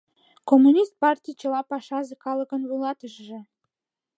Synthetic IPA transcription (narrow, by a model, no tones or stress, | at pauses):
komːunʲist̪̚pɑrt̪ʲijt͡ɕə̆lɑpɑʃɑʒĕkɑlə̆kə̆nlujlɑt̪əʒʒĕ